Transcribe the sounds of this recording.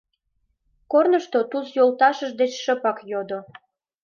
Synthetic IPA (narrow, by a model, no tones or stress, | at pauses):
kornəʃt̪ot̪usjolt̪ɑʃəʒd̪et͡ɕʃəpɑkjod̪o